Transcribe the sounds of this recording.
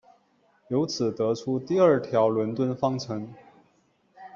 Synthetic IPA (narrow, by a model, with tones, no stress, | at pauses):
jo˧˥ʊt͡sʰɹ̩˨˩t̪ɤ˧˥ʈ͡ʂʰu˥t̪i˥˧ə˞˥˩t̪ʰjɑ˧˥ʊlwə˧˥nt̪wə˥nfɑ˥ŋʈ͡ʂʰɤ˧˥ŋ